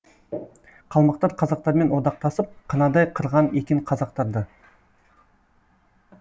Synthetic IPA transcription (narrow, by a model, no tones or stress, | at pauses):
qʰɑlˠmɑqt̪ɑɾqʰɑzɑq̚t̪ɑɾme̞nwod̪ɑq̚t̪ɑsəp̚qʰənɑd̪ɑjqʰəɾʁɑnekʲeɴqʰɑzɑq̚t̪ɑɾd̪ə